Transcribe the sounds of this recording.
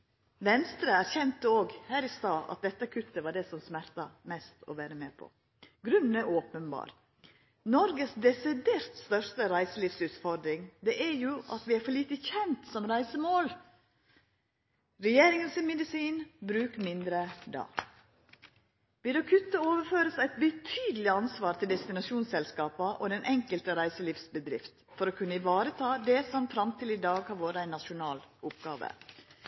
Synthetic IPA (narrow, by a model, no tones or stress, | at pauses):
ʋɛnst̪ɾəæɾçɛnt̪əoːɡhæːɾɪst̪ɑːʔɑ̰t̪̚d̪ɛt̪ːəkʰʉt̪ːəʋɑɖɛsɔmsmæɾt̪ɑmɛst̪ʰɔ̰ʋæːɾəmeːpʰɔ̰ | ɡɾʉnnəʔoːpənbɑ̰ːɾ | nɔɾɡəsd̪ɛsɪd̪eːɾt̪st̪œɾʂt̪əɾæɪsəliːfsʉːt̪fɔɾd̪ɾɪŋd̪ɛʔæɾjuʔɑ̰t̪ʋɪæɾfɔɭiːt̪əçɛnt̪sɔmɾæɪsəmoːl | ɾɛjeːɾɪŋənsɪmɛd̪ɪsiːnbɾʉːkmɪnd̪ɾəd̪ɑ̰ː | ʋɪd̪ɔkʰʉt̪ːəoːʋəɾføːɾəsæɪt̪bət̪ʰyːd̪əl̩ɪɑnsʋɑːɾt̪ʰɪld̪ɛst̪ɪnɑʂuːnsɛlskɑːpəʔɔd̪ɛnʔɛŋkəlt̪əɾæɪsəliːfsbəd̪ɾɪ̰ft̪fɔɾɔkʰʉnːəɪʋɑːɾət̪ʰɑːd̪ɛsɔmfɾɑmt̪ʰɪlɪd̪ɑːɡhɑɾʋoːɾəæɪnːɑʃʊnɑːlʊpɡɑ̰ːʋə̰